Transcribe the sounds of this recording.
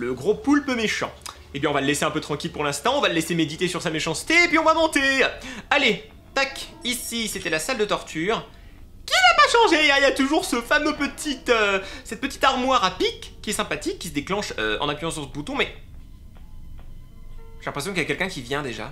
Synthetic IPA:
ləɡʁopulpəmeʃɑ̰̃ | epɥjɛ̃ɔ̃valəleseɛ̃pøt̪χɑ̃kʲilpuʁlɛ̃st̪ɑ̃ɔ̃valəlesemed̪it̪esyʁsameʃɑ̃st̪eːpɥiɔ̃vamɑ̃t̪eale | t̪akisiset̪ɛlasald̪ət̪ɔʁt̪ʰyːʁ | kʲinapaʃɑ̃ʒeailjat̪uʒuʁsəfamøpət̪ʰit̪øsɛt̪̚pət̪i̥t̪aʁmwaʁapikːiɛsɛ̃pat̪ikʲːisəd̪eklɑ̃ʃøɑ̰̃napɥyɑ̃sɔ̃səbut̪ɔ̃mɛ | ʒelɛ̃pχes̬jɔ̃kiljakʲɛlkʲɛ̃kʲivjɛ̃d̪eʒa̰

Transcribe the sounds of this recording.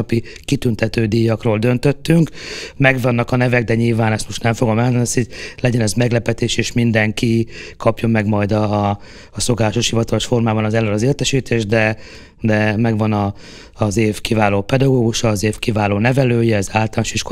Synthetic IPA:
pi | kit̪ynt̪ɛt̪øːd̪ijːɒkroːld̪ø̞nt̪ø̞t̪ːyŋkmɛɡvɒnːɒkɒnɛvɛɡd̪ɛɲilvaːnɛst̪mo̞ʃt̪nɛɱfo̞ɡo̞mɛlɦɒnd̪ɛnst̪ilɛɟɛnɛzmɛɡlɛpɛt̪eːʃeːʃmind̪ɛŋkikʰɒpjɒmɛɡmɒjd̪ɒː | so̞kaːlaːʃo̞ʃhivɒt̪ɒlo̞ʃfo̞rmaːbɒnɒzɛløɾɒzeːlt̪ɛʃiːt̪ʰeːʒd̪ɛ | d̪ɛmɛɡvɒnɒː | zeːfkivaːloːpɛd̪ɒɡoːɡuʃɒːzeːfkivaːloːnɛvɛløːjɛɛzaːlt̪ɔlanʃiʃko

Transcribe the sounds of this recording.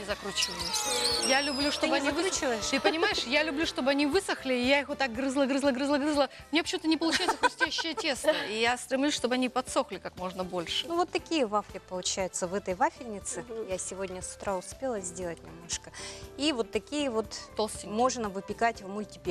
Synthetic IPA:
zɐkɾut͡ɕivəlʲɪsʲjalʲʊblʲuʂt̪obɨɐnnʲivɨt͡ɕɪvəjɪʂt̪ɨpənʲɪmajɪʂjalʲʊblʲuʂt̪o̞bɨɐnʲivɨsəxlʲɪːjaixvot̪ːak̚ɡɾɨzlˠəɡɾɨzlˠəɡɾɨzlˠəɡɾɨzlˠə | mnʲepə̥t͡ɕʲːɪmut̪ənʲɪpəlˠʊt͡ɕæjʊt̪səxʊsʲtʲæɕːɪjətʲe̞snəijast̪ɾʲɪmlʲusʲʂt̪o̞bəɐnʲipɐt̪so̞xlʲɪkakmo̞ʐnəbo̞lʲʂɨ̥nuvo̞t̪ːɐkʲijəvafkʲɪpəlˠʊt͡ɕæjʊt̪səvɛt̪əjvafʲɪlʲnʲɪt̪sɨjasʲɪvodʲnʲəsʊ̥t̪ɾaʊspʲe̞lˠəzʲdʲelˠətʲnʲɪ̰mno̞ʂkəivo̞t̪ːɐkʲijəvo̞t̪t̪olˠsʲt̪ʲɪmo̞ʐnəvɨpʲɪkatʲvmʊlʲtʲɪpʲe

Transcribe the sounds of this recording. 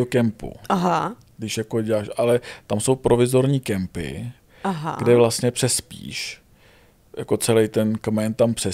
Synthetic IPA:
okɛmpṵaɦa | ɡdɪʃjakoɟɛlaːʃʔalɛt̪amso̞wpɾʔo̞vɪzo̞ɾɲiːkɛmpɪ̰ | aɦaɡdɛvlast̪ɲɛpr̥ɛspḭːʃ | ja̰ko̞t͡sɛlɛjt̪ɛnkmɛnt̪ampr̥ɛ

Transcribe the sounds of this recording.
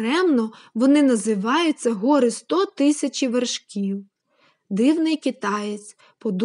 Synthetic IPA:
ɾɛmnɔʋɔnɪnɐzɪʋɑjʊt͡sʲːɐɦɔɾɪst̪ɔt̪ɪsʲɐt͡ʃʲiʋerʃkʲiw | d̪ɪwnɪjkʲɪt̪ɑjet͡sʲ | pɔd̪

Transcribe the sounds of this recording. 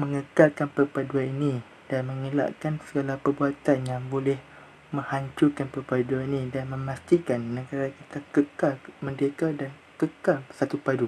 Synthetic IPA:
məŋəkalkanpərpaduaninĩ | d̥anmə̃ŋila̰ʔkansəɡalahpərbuat̪anjaŋbolɛh | mə̃ŋhaɲt͡ʃukanpərpaduaninĩdanmə̃mast̪ikanːəɡaɾakit̪akəkalmə̃ndekadan | kəkalsat̪upadu

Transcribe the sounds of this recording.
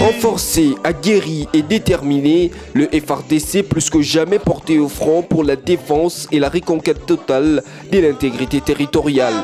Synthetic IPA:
ʁɑ̃fɔʁseaɡʲeʁied̪et̪ɛʁmine | ləʔɛfɛʁd̪eseplyskəʒamɛpɔʁt̪eofχɔ̃puʁlad̪efɑ̃selaʁekɔ̃kɛt̪ːɔt̪al | d̪əlɛ̃t̪eɡʁit̪et̪eʁit̪ɔʁjal

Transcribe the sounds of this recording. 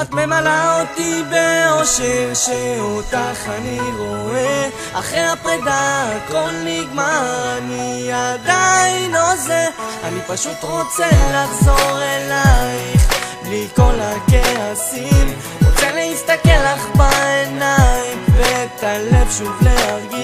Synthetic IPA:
at̪me̞malaot̪ibeoʃelʃeot̪aχaniʁo̞e | aχʁeapʁid̪ako̞lniɡmaniad̪ainlo̞ze | a̰nipaʃut̪ʁo̞t͡selaχzoʁelajχbliko̞lakeasim | ʁot͡seleist̪akelaχbaenaimvet̪alevʃuvleaʁɡi

